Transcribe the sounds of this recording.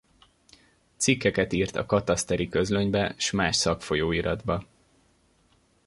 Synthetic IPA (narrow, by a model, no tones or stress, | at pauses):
t̪sikːɛkɛt̪iːrt̪ɒ̰kɒt̪ɒst̪ɛɾikø̞zløɲbɛʃmaːʃsɒkfo̞joːiɾɒd̪bɒ